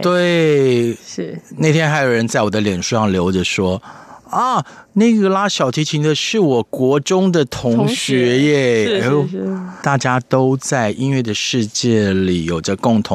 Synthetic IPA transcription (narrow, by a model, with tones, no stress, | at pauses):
t̪we˥˩ɪ˧ | ne˥˩t̪ʰjɛ˥nxa˥ɪjo˨˩ɻə˧˦nt͡sa˥˩ɪwɔ˨˩d̪ə˦ljɛ˨˩nʂu˥˧ʂɑ˥˩ŋljo˧˥ʊʈ͡ʂə˧ʂwɔ˥ɐ˥˩ | ne˥˩˥ɡə˨la˥ɕjɑ˨˩ʊt̪ʰi˧˥t͡ɕʰi˧˥ŋd̪ə˧ʂɻ̩˥˩wɔ˨˩kwɔ˧˥ʈ͡ʂʊ˥ŋd̪ə˨t̪ʰʊ˧˥ŋɕɥɛ˧˥jɛ˥˧ | t̪a˥˩t͡ɕja˥t̪o˥ʊt͡sa˥˩ɪʔi˥nɥɛ˥˩d̪ə˩ʂɻ̩˥˧t͡ɕjɛ˥˩li˨˩jo˨˩ʈ͡ʂə˦kʊ˥˩ŋt̪ʰʊ˧˦